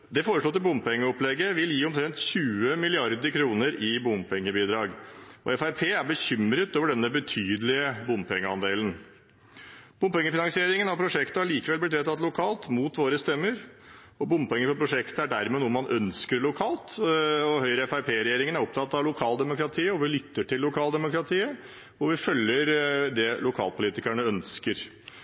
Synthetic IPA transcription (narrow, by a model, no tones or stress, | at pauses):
d̪ɛfoːɾəʂɭɔːt̪ːɪbʊmpɛŋːəɔplɛɡːəʋɪljiːɔmt̪ʰɾɛnt̪çʉːəmɪlɪɑɾd̪əɾkʰɾuːnəɾɪbʊmpɛŋːəbiːd̪ɾɑːɡɔ̰ɛfæɪpʰeːæɾbəɕʏmɾət̪oːʋəɖɛnːəbət̪ʰyːd̪əlɪəbʊmpʰɛŋːəɑnd̪eːlən | b̥ʊmpɛŋːəfɪnɑŋsɪeːɾɪŋənhɑpʰɾʊʂɛkt̪əhɑɭiːkəʋɛlblɪt̪ʋeːt̪ʰɑt̪ːlʊkʰɑːlt̪muːt̪ʋoːɾəst̪œmːəɾ | ɔbʊmpɔɛŋːəfɔpʰɾʊʂɛkt̪əæɖæɾmɛnuːəmɑnʔœnskəɾɭʊkʰɑːlt̪ɔhœʏɾəɛfæɪpʰeːɾɛjeːɾɪŋənæɾɔp̚t̪ʰɑt̪ːɑʋlʊkʰɑːld̪ɛmʊkɾɑt̪ʰiːəɔʋɪlʏt̪ːəʈʰɪlːʊkʰɑːld̪ɛmʊkɾɑt̪ʰiːə | ɔʋɪfœlːəɾd̪ɛlʊkʰɑ̰ːlpʰʊliːt̪ɪkæɳəœnskəɾ